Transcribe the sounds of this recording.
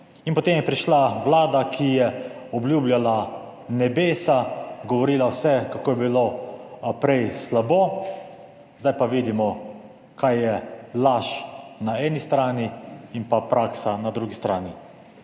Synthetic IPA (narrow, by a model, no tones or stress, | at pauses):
inpɔt̪eːmjɛpɾiʃlaʋlaːd̪akʰijɛɔbljuːbljala | nɛbeːsaɡɔʋɔɾiːlawsɛkakoːjɛbilo | pɾɛjslaboː | zd̪ajpaʋiːd̪imɔ | kajːɛlaʃnaɛːnist̪ɾaːniinpapɾaːksanad̪ɾuɡist̪ɾaːni